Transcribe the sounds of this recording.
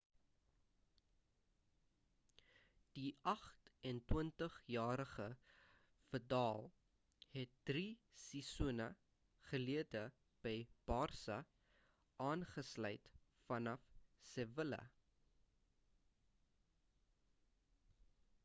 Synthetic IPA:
d̥iɐχtɛntwəntəχjɑːɾəχə | fərdɑːlˠ | hɛt̚d̥risisunə̰ | χəliədə | b̥əjb̥ɑːrsɐ | ʔɑːnχəslœ̰jt | fɐnɐfsɛvələ̰

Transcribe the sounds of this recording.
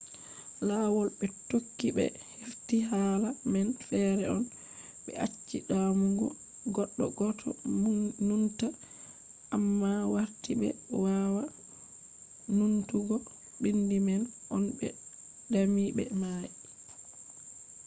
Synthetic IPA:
lawɔlbɛtokːiɓɛ̰ | hiɾtiɦaːlamɛnfɛɾɛɔn | ɓɛ̰ʔat͡ʃːiɗamuɡṵ | ɡɔɗːɔ̰ɡɔtʰɔ̰nunta | ʔamːawaɾtibɛ̰wawa | nuntuɡɔ | bindimɛnʔɔnbɛ | damibɛ̰maji

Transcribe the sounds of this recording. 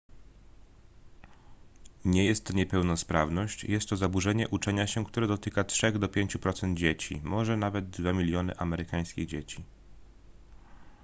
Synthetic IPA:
ɲɛjɛst̪ːɔɲɛpɛwnɔspɾavnɔɕt͡ɕjɛst̪ːɔzabuʐɛɲɛʔut͡ʂɛɲaɕɛkt̪uɾɛd̪ɔt̪ɘkatʂɛɣd̪ɔpʲjeɲt͡ɕupɾɔt̪sɛnd̪̚d͡ʑet͡ɕḭmɔʐɛnavɛd̪̚d̪vamʲilʲjɔnɘ̰ʔamɛɾɘkaj̃skʲiɣd͡ʑet͡ɕi

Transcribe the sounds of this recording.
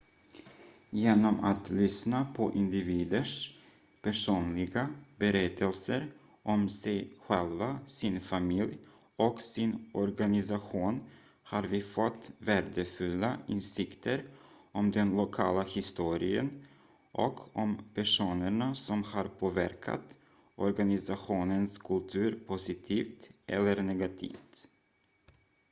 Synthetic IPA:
jeːnɔmat̪lʏsnapʰɔʔɪnd̪ɪviːd̪əʂ | pʰæʂuːnlɪɡabɛɾɛt̪ʰːəlsəɾ | ʔɔmsɛjɧɛlvasɪnfamɪlj | ɔksɪnʔɔɾɡanɪsaɧuːn | haɾvɪːfɔt̪ːvæːɖ̪əfɵlːaɪnsɪkt̪ʰəɾ | ʔɔmd̪ɛnlʊkʰɑ̰ːlahɪst̪uːɾɪə̰n | ʔɔkʰɔmpʰæʂuːnəɳasɔmhaɾpʰoːvæɾkʰa̰t̪ | ʔɔɾɡanɪsaɧuːnənskʰɵlt̪ʰʉ̟ːɾpʰʊsɪt̪ʰiːft̪ʔɛ̰lːəɾnɛɡat̪ʰḭːft̪

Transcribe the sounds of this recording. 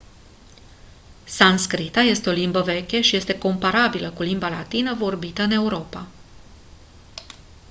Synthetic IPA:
sanskɾit̪aje̞st̪eo̞limbəve̞kʲeʃije̞st̪e̞ko̞mpaɾabiləkulimbalat̪inəvo̞rbit̪əɨne̞uɾo̞pa

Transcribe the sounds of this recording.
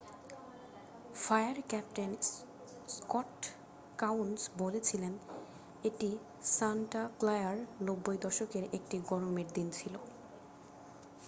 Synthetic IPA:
fajaɾkɛp̚ʈen | skɔʈ | kawnsbolet͡ɕʰilen | eʈi | sanʈaklajaɾnobːojd̪ɔʃokeɾek̚ʈiɡɔɾomeɾd̪int͡ɕʰilo

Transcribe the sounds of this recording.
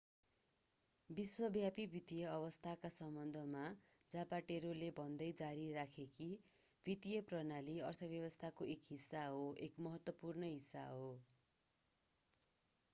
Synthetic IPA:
biswʌbjapibʱit̪ijʌʌβʌst̪ʰakasʌmbʌnd̪ʱʌma | d͡zapaʈeɾolebʱʌnd̪ʌjd͡zaɾirakʰeki | bʱit̪ijʌprʌnaliʌrt̪ʰʌbjʌβʌst̪ʰakoekɦisːaɦoʔekmʌɦʌt̪wʌpurnʌɦisːa̰ɦo

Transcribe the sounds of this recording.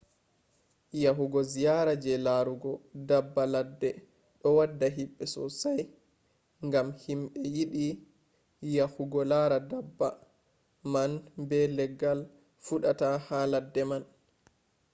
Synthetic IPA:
jaɦuɡɔzijaɾad͡ʒɛlaɾuɡɔdabːaladːɛ | ɗɔwadːaɦiɓːɛsɔ̰saj | ŋɡamhimɓɛjiɗi | jahuɡɔlaɾadabːa | manbɛlɛɡːal | fuɗatahaladːɛman

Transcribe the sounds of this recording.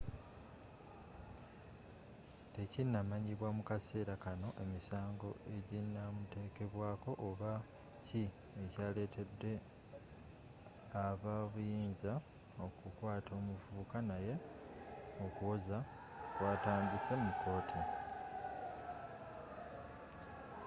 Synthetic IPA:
te̞cinːamaɲiβwamukase̞ːɾakano̞ʔe̞misaːŋɡo̞e̞ɟinːamute̞ːke̞βwaːko̞ʔoβa | ci | ecaːle̞ːtʰe̞dːe̞ | aβaβujiːnza | o̞kukwaːtʰo̞ːmuvuːkanaje̞ | o̞kuwo̞za | kwaːtaːndisemukːo̞ːtʰi

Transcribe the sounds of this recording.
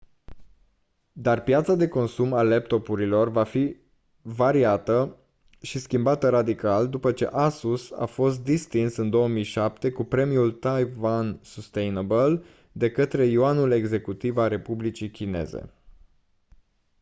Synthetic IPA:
d̪arpjat̪sad̪e̞ko̞nsumalep̚t̪o̞puɾilo̞rvafi | vaɾiat̪ə | ʃiskʲimbat̪əɾad̪ikald̪upət͡ʃe̞̰ʔasusa̰fo̞st̪̚d̪ist̪insɨnd̪o̞wəmijʃap̚t̪e̞kupɾe̞mijult̪ajvansust̪ejnbəl | d̪e̞kət̪ɾe̞jiuanule̞ɡze̞kut̪ivalre̞publit͡ʃikʲine̞̰zḛ

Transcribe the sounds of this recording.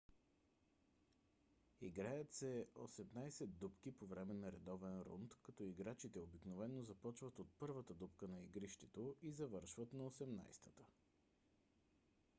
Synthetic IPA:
iɡɾajət̪sɛo̰sɛmnajsɛd̪ːupk̟ipovɾɛmɛnɐɾɛd̪ɔvɛnɾṵnt̪kɐt̪ɔiɡɾat͡ʃit̪ɛobiknovɛnːozɐpɔt͡ʃvət̪ot̪̚pɤɾvət̪əd̪upkənɐiɡɾiʃt̪ɛt̪oizɐvɤɾʃvət̪nɐosɛmna̰jst̪ət̪ə̥

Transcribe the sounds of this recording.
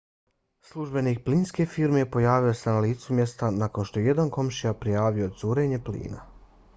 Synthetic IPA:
slˠuʒbe̞nik̚pliːnske̞fiːɾme̞po̞jaːʋiosenaliːt̪sumje̞st̪anako̞nʃt̪o̞jeje̞d̪anko̞mʃijapɾijaːʋio̞d̪zuːɾe̞ːɲe̞plḭːna̰

